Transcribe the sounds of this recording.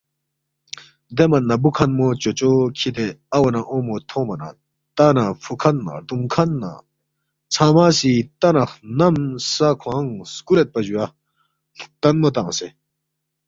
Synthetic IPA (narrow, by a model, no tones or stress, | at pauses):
d̪emɐnːɐbukʰɐnmot͡ɕot͡ɕokʰit̪eɐwɐnaʔõːmot̪ʰõːmɐna̰ | t̪anafʰukʰɐnːa̰d̪uŋkʰɐnːa̰ | t͡sʰãmasit̪ɐnɐxnɐmsakʰwãŋskuɾet̪̚pɐd͡ʑuḁ | t̪ɐnmot̪ãse